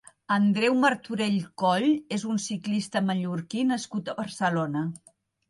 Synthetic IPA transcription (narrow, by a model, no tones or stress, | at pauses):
ənd̪ɾɛwməɾt̪uɾeʎkɔʎezunsiklist̪əməʎuɾkinəskut̪əβərsəlonə